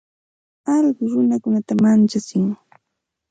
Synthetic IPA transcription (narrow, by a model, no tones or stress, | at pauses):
ɑʎɢʊɾʊnakʊnat̪amant͡ʃat͡sɪŋ